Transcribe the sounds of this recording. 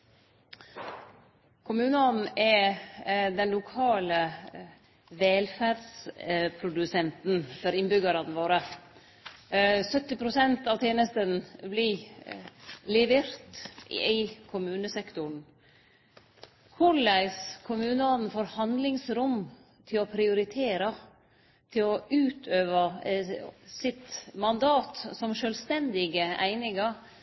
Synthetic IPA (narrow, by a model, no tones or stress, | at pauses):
kʰʊmʉːnəɔd̪n̩ɛ | d̪ɛnlʊkʰɑːlə | ʋɛːlfæɾdspʰɾʊd̪ʉsɛnt̪nfɔɾɪnbʏɡəɾɑd̪ʋoːɾə | sœt̪ːɪpʰɾʊsɛnt̪ɑʋt̪ʰjeːnəst̪ənbli | lɪʋeɾt̪æɪkʰʊmʉːnəsɛkt̪ʊɳ | kʰʊɭæɪskʰʊmʉːnəɔd̪n̩foːɾhɑnd̪lɪŋsɾʊm | t̪ʰɪlɔpʰɾɪʊɾɪt̪ʰeːɾɑ | t̪ʰɪlɔʉːt̪ʰøːʋə | sɪt̪mɑnd̪ɑːt̪sɔmʃœlst̪ɛnd̪ɪɡəʔæ̰ɪnɪŋɑɾ